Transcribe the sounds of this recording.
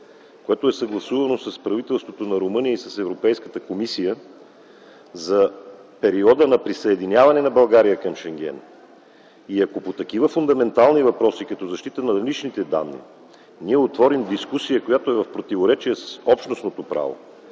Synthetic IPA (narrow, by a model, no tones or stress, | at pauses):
koɛt̪oɛsɐɡlˠɐsuvɐnosɐspɾɐvit̪ɛlˠst̪vot̪onɐɾomɤnijəisɐsɛvɾopɛjskət̪əkomisijə | zɐpɛɾiɔd̪ənɐpɾisəɛd̪inʲjavɐnɛnɐbɐlˠɡaɾijəkɐmʃɛŋɡ̟ʲɛ̰n | iɐkopot̪ɐk̟ivəfʊnd̪ɐmɛnt̪alˠnivɐpɾɔsikɐt̪ɔzɐʃt̪it̪ənɐɾɐlit͡ʃnit̪ɛd̪a̰nːḭ | niɛot̪vɔɾimd̪iskusijəkojat̪oɛvɐfpɾot̪ivoɾɛt͡ʃiɛsə̥sɔpʃnosnot̪opɾa̰vo̰